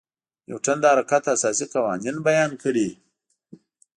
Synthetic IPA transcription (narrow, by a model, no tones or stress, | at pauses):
jo̰wʈ͡ʂand̪aaɾakat̪asɑsiqawɑninbajɑnkəɽi